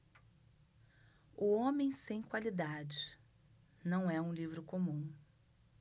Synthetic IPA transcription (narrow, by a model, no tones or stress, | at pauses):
ʊõmẽj̃sẽj̃kwalid̪ad͡ʒɪ | nɐ̃w̃ɛũlivɾʊkomũ